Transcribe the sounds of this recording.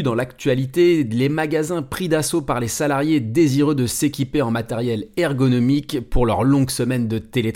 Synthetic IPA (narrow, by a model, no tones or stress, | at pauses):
d̪ɑ̃lakt̪ɥalit̪elemaɡazɛ̃pχid̪asopaʁlesalaʁjed̪eziʁød̪əsekʲipeɑ̃mat̪ɛʁjɛlɛʁɡɔnɔmikpuʁlœʁlɔ̃ɡsəmɛnd̪ət̪ele